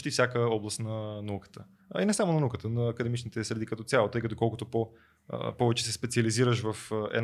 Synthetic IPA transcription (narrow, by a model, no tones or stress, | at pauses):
t̪ifsʲjakəɔblˠəst̪nɐnɐukə̥t̪ə | inɛsamonɐnukət̪ənɐːkəd̪ɛmit͡ʃnit̪ɛsɾɛd̪ikət̪ɔt̪sjalˠot̪ɤjkət̪okɔlˠkot̪opo̰ | pɔvɛt͡ʃɛ̥sɛspɛt̪siɐliziɾəʃvɐfɛ̰n